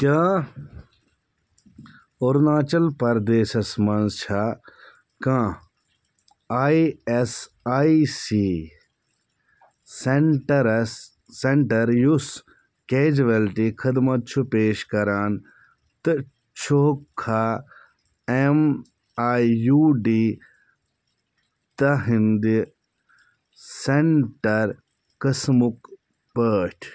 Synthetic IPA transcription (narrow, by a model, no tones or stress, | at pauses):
t̪ʲãː | oɾnaːt͡ʃɐlpɐɾd̪eːʃɐsmɐnzt͡ʃʰa | kãː | aːies | aːisiː | seʈɾsː | eɳʈɐɾjus | keːd͡ʒʋɐlʈikʰid̪mɐt̪̚t͡ʃʰupeːʃkɐɾaːn | t̪ɨ | t͡ʃʰokʰːaː | em | aːjuːɖiː | t̪ɐɦind̪i | seɳʈɐɾ | kɐsmuk | pəːʈʰ